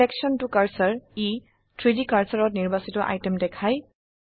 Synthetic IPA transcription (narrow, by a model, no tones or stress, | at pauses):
eksɔntukaɹsaɹi | tʰɹidikaɹsaɹɔtniɹbasitɔʔa̰jtemdɛkʰaj